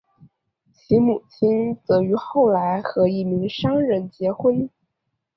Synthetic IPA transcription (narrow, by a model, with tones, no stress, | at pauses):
t͡ɕʰi˧˥mu˨˩t͡ɕʰi˥nt͡sɤ˧˥y˧˥xo˥˩ʊla˧˥ɪxɤ˧˥i˥˩mi˧˥ŋʂɑ˥ŋɻə˧˩nt͡ɕjɛ˧˥xwə˥n